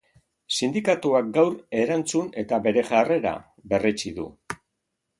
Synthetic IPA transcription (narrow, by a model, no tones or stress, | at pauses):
sind̪ikat̪uak̚ɡawɾe̞ɾant͡sune̞t̪aβe̞ɾe̞ʝare̞ɾa̰ | βe̞ret͡ʃiðṵ